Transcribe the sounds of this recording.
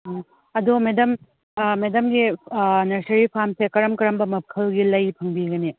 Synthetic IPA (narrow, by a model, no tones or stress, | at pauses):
a | ɐdumedɐm | medɐmɡinɐɾsɐɾipʰamsekɐɾɐmkɐɾɐmbɐmɐp̚kʰɐlɡilɐjpʰɐŋbiɡɐni